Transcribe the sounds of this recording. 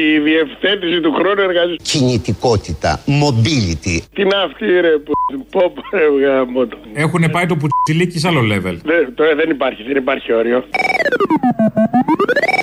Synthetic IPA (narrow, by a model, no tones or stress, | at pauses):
iðie̞fθe̞t̪isit̪uxɾo̞nueɾɣɐzicinit̪iko̞t̪it̪ɐ̰mo̞bilit̪it̪inɐft̪iɾepopopɾevɣɐmot̪o̥e̞xune̞pɐit̪o̞p̬usilicis̬ɐlolevḛlðet̪oðenipɐɾçiðenipɐɾçio̞ɾio̞